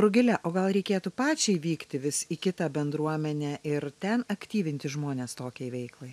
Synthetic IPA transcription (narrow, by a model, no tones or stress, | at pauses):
ɾʊɡʲɪlʲɛʔoːɡɐlˠɾʲɛɪkʲeːt̪uːpɑːt͡ʃʲɛɪʋʲiːkt̪ʲɪʋʲɪsikʲɪt̪ɑbʲɛnd̪ɾuɔmʲɛnʲɛːʔɪɾt̪ʲɛnɐkt̪ʲiːʋʲɪnʲt̪ʲɪʒmoːnʲeːst̪oːkʲɛɪʋʲɛɪklˠɐɪ